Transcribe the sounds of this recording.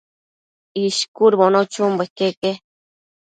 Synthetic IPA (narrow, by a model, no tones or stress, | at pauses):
iʃkuɾbonot͡ʃumbakeke